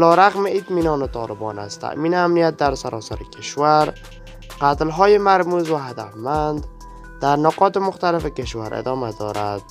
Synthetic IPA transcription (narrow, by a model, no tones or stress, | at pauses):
alɔːɾaɣmɪit̪miːnɒːnet̪ʰɒːlɪbɒ̰ːna̰st̪ʰa̰ʔmiːnɪamnijat̪̚d̪aɾsaɾʔɒːsaɾekʰeʃvaɾ | qat̪lɦɔːjemaɾmuzvaɦad̪afmand̪ | d̪æɾnoqɒːt̪ɪmʊxt̪alɪfekeʃvaɾʔḛd̪ɒːmad̪ɒ̰ːɾa̰d̪̥̚